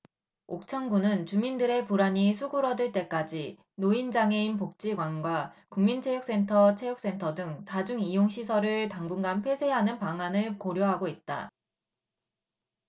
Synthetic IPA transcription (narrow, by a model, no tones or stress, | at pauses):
ok̚t͡ɕʰʌŋɡunɯnt͡ɕumindɯɾe̞puɾaɲisʰuɡuɾʌdɯɭt͈e̞k͈ad͡ʑi | noind͡ʑaŋe̞inpok̚t͡ɕ͈iɡwanɡwakuŋmint͡ɕʰe̞juk̚s͈e̞ntʰʌt͡ɕʰejuk̚s͈e̞ntʰʌdɯŋtad͡ʑuŋijoŋɕʰisʰʌɾɯɭtaŋbuŋɡanpʰwe̞sʰe̞ɦanɯnpaŋanɯɭpoɾjoɦaɡoit̚t͈a̰